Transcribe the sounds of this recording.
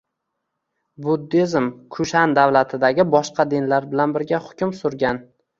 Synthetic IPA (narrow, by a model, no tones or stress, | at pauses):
bʊd̪ːezɪmkʰʊʃand̪awlat̪ʰɪd̪aɡʲɪbɒʃqɑd̪ɪnlaɾbɪlanbɪɾɡʲahʊ̥kʲʰʊmsʊɾɡʲan